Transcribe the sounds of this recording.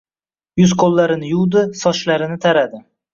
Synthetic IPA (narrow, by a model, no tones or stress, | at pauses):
jʊzqʰolˠːaɾɪnɪjʊwd̪ɪsɒʃlaɾɪnɪt̪ʰaɾad̪ɪ